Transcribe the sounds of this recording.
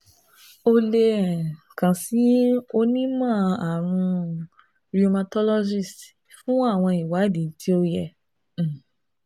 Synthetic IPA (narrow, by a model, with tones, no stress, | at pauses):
o˧le˧˨ | kã˨si˨˦o˦nĩ˦mã˦˨a˨ɾ̃ũ˧ | ɾi˦o˧ma˧tɔ˦lɔ˦d͡ʒi˦˨st | fũ˦a˦˨w̃ɔ̃˧i˨wa˨˦di˨˦ti˦o˧jɛ˦˨